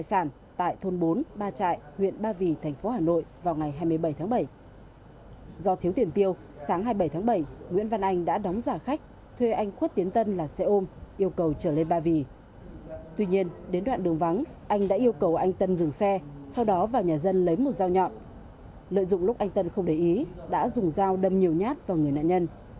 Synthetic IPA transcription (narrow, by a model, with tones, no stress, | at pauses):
a˧˨jsaː˧˩n | t̪a̰ː˧˨jt̪ʰo˧nɓo˨˦nɓaː˧t͡ɕa̰ː˧˨jhwḭ˧˨ənɓaː˧vi˨˩t̪ʰɛ˨˩ŋ̟fo˨˦haː˨˩no̰˧˨jvaː˨˩wŋa˨˩jɦaː˧jmɨ˧əjɓə˧˩jt̪ʰːɓə˧˩j | zɔ˧t̪ʰi˨˦wt̪ʰi˧˩ənt̪i˧əw | saː˨˦ŋɦaː˧jɓə˧˩jt̪ʰaː˨˦ŋɓə˧˩jŋwḭ˧˥nva˧nʔa˧jŋ̟ɗa̰ː˧˥ɗɔ˨˦wŋ͡mzaː˧˩xa˦˥k̟̚ | t̪ʰwe˧ʔa˧jŋ̟xwt̪̚i˨˦ənt̪ə˧nlaː˨˩sɛ˧ʔo˧mʔi˧əwkə˨˩wt͡ɕəː˧˩le˧nɓaː˧vi˧˩ | t̪wi˧ɲi˧ənɗe˨˦nɗwa̰ː˧˨nɗɨ˨˩əŋva˨˦n | ʔa˧jŋ̟ɗa̰ː˧˥ʔi˧əwkə˨˩wʔa˧jŋ̟t̪ə˧nzɨ˨˩ŋsɛ˧sa˧wɗɔ˨˦vaː˨˩wɲaː˨˩zə˧nlə˨˦jmo˨˩t̚zaː˧wɲɔ̰˧˨t̚ | lə̰˧˨jzʊ̰˧˨ŋ͡mlʊ˦˥k͡p̚ʔa˧jŋ̟t̪ə˧nxə˧wŋ͡mɗe˨˩jʔi˨˦ɗa̰ː˧˥zʊ˨˩ŋ͡mzaː˧wɗə˨˩mɲi˨˩əwɲaː˦˥t̚vaː˨˩ŋɨ˨˩əjna̰ː˧˨ɲə˧n